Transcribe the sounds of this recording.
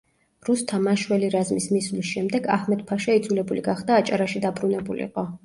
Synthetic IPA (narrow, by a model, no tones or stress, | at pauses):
ɾust̪ʰamaʃwɛliɾazmismislisʃɛmd̪ɛɡa̰hmɛd̪pʰaʃaid̪zwulɛbulḭɡaχd̪aːt͡ʃʼaɾaʃid̪abɾunɛbulḭqʼɔ